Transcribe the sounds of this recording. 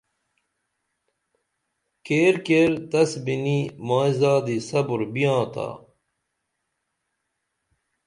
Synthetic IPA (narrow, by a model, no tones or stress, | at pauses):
keːɾkeːɾt̪ɐsbinimaːizaːd̪isɐbuɾbijãːt̪a̰ː